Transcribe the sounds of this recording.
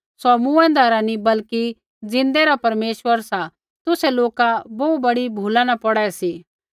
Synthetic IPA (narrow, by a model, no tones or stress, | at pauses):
sɔmuɛ̃nd̪aɾanibɐlki | d͡zɪ̃nd̪eɾapɐɾmeːʃʋəɾsa | t̪ʊsɛloːkabɔːubɐɽibʱuːlãnapɔɽɛsiː